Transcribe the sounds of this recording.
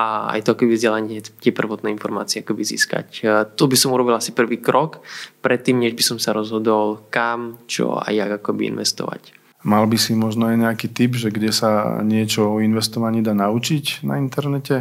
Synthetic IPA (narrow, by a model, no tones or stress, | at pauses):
ʔaa̰jt̪ɔakɔbivzɟɛlaɲɛt̪ɪɛpr̩ʋɔt̪nɛːinfɔɾma̰ːt͡siɛakɔbizḭːska̰ct̪ɔbisɔmuɾɔbilasipr̩ʋiːkɾɔkpɾɛt̪ːiːmɲɛʒbisɔmsaɾɔzɦɔd̪ɔlkamt͡ʃɔ̰a̰jjaɡakɔbiḭnʋɛ̰st̪ɔ̰ʋa̰c | malbisimɔʒnɔajɲɛakiːt̪ibʒɛɡɟɛsaɲɪɛt͡ʃɔɔinʋɛst̪ɔʋaɲiːd̪aːnaut͡ʃicna̰int̪ɛɾnɛcɛ